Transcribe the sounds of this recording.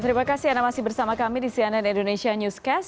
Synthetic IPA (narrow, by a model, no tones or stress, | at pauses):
t̪əɾimakasiandamasihbərsamakamidisiananindonesianjuskɛs